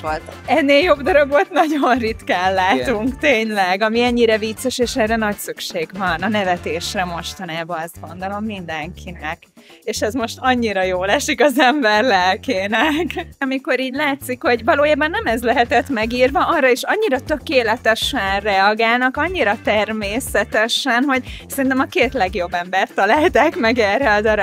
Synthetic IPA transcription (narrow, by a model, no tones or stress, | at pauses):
ot̪ɛnːeːljo̞bd̪ɒɾoɡo̞t̪nɒɟonrit̪kaːllaːt̪uŋkt̪eːɲlɛɡɒmiɛɲːiɾɛvit̪sːɛʃeːʃɛrːɛnɒcsykʃeːɡvɒnɒnɛvɛt̪eːʃrɛmo̞ʃt̪ɒnaːbɒɛzt̪̚ɡo̞nd̪o̞lo̞mːind̪ɛŋkʰinɛk | eːʃɛzmo̞ʃt̪ɒɲːiɾɒjoːlɛʃikɒzɛɱbɛrlɛlkeːnɛkɒmiko̞ɾiːɟlaːt̪sikho̞ɟvɒloːjaːbɒnːɛmɛzlɛɦɛt̪ɛt̪mɛɡiːrvɒʔɒrːɒeʃɒɲːiɾɒt̪ø̞keːlɛt̪ɛʃɛnrɛɒɡaːlnɒkɒɲːiɾɒt̪ɛrmeːsɛt̪ɛʃɛnɦo̞ɟsɛɾint̪ɛmɒkeːt̪lɛɡjo̞bːɛmbɛrt̪ːɒlaːlt̪akmɛɡɛrɛɒd̪ɒɾo